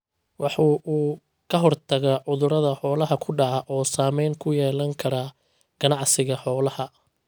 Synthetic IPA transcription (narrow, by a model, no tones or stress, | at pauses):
wʔɑħuːʔuː | kʰɐɦɔrt̪ʰɐɣaːʕʊðʊɾɐðɐħɔːlɐɦɐkʰʊɖɑʕɑʔɔːsaːmɛjŋkʰʊjɛːlɐŋkʰɐɾaː | ɡ̥ɐnɑʕsɪɣɐħɔːlɐhɐ